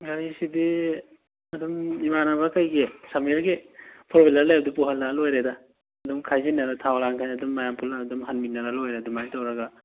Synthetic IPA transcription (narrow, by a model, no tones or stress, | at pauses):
ɡaɾisidi | ɐdumimanaβɐkajɡesamiɾɡepʰɔɾbilɐɾlajab̚dupuɦalːalojɾeda | ɐdumkʰajzinːɐɾatʰawɾaŋkʰajadumːajampʰuladumɦanmitnːaɾalojɾedumajtawɾaɡa